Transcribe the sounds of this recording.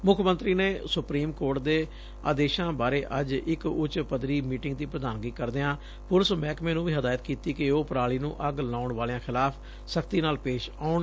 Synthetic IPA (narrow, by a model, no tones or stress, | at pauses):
mʊkʰmə̃nt̪ɾiːneːsʊpɾiːmkoːɾʈ̚d̪eː | a̰ːd̪eːʃãːbaːɾeːʔəd͡ʒɪkʊt͡ʃpəd̪ɾiːmiːʈɪŋɡ̚d̪iːpɾəd̪aːnɡiːkəɾd̪eːãː | pʊləsmɛːkmẽːnũːʋiːɦəd̪aːjət̪kiːt̪iːkɪoːpɾaːliːnṵ̃ːʔəɡlaːʊɳʋaːleãːxʰɪlaːpʰ | səkʰt̪iːnaːlpeːʃaːʊɳ